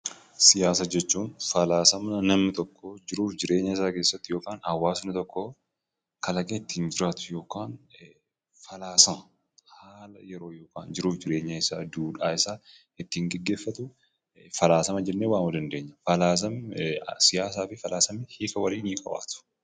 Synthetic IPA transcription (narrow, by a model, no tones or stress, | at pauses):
sɪjaːsɐd͡ʒɛt͡ʃːuːnfɐlaːsɐmɐnɐmnɪt̪ɔkːod͡ʒɪɾuːfd͡ʒɪɾe̞ːɲːɐɪsaːke̞ːsːɐt̪ːɪjo̞ːkaːnɐwːaːsnɪt̪ɔkːo | kɐlɐkʼet̪ːɪ̥ɪnd͡ʒɪɾaːt̪ʊ̥jo̞ːkaːn | fɐlaːsɐmɐ | haːlɐjɛɾo̞ːjo̞ːka̰ːnd͡ʒɪɾuːfd͡ʒɪɾe̞ːɲːɐɪsaːd̪uːᶑaːɪsaː | ɪt̪ːɪŋɡɛɡːe̞ːfːɐt̪ʊ | fɐlaːsɐmɐd͡ʒɛnːeːwaːmʊd̪ɐnd̪e̞ːɲːɐfɐlaːs̬ɐmsɪjaːs̬aːfɪfɐlaːsɐmɪhiːkɐwɐɾiːniːkʼɐ̰wa̰ːt̪ʊ̥